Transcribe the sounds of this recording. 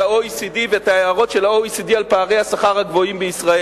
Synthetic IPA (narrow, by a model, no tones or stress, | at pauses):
aoisid̪iveetaeaʁo̞tʃe̞lhaoisid̪ialpaːʁe̞jhasaχaʁhaɡvo̞imbeisʁae